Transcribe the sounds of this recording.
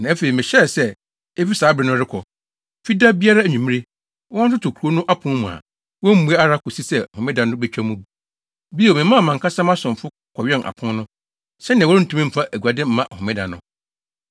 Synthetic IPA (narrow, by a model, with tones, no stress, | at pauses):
nã˨æ˦fe˨ɾi˨mɪ̃˨ɕɛ˦˨sɛ˦ | e˦fi˦saː˨˦bɾɪ˨nʊ̃˦ɾɪ˦kʰɔ˨ | fi˦da˦bi˦a˦ɾa˦æ˨ɲᶣũ˨mĩ˦e˦ | wɔ̃˦n̩˦tʊ˦tʰʊ˨kʰɾu˨o˦nʊ̃˦ʔa˦pʰʊ̃˦mũ˨a̰˨ | wɔ̃˦m̩˦mu˨˦e˦a˦ɾa˦kʊ˨si˦sɛ˦˨hʊ̃˨mɪ̃˦dã˨nʊ̃˦bɛ˦t͡ɕᶣa˦mũ˦bu˦ | bi˦˨o˨mɪ̃˨˦mã˦˨mã˨ŋkʰa˦sã˦mã˦sʊ̃˨m˨fʊ˦ | kʰɔ˨ɥᶣɛ˦nʔa̰˨pʰʊ̃˦nnʊ̃˦ | sɛ˦nɪ̃˨wɔ˦ɪ˦n̩˦tʰũ˦mĩ˦m̩˨fa˦ʔæ˨ɡu˨a˨dɪ˦m̩˦mã˦ʔhʊ̃˨mɪ̃˦dã̰˨nʊ̃˦